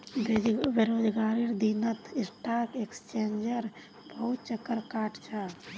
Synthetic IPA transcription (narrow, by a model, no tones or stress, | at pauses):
bɪɾoːd͡ʒɡaːɾiɾd̪inət̪ʰɪsʈaːɾkekst͡ʃẽːnd͡ʒəɾ | bəɦut̪̚t͡ʃəkːəɾkaːʈʰt͡ʃʰaː